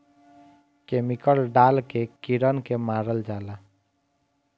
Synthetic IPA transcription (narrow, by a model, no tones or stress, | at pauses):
kemikəlɖaːlkekiɾənkemaːɾəld͡ʒaːla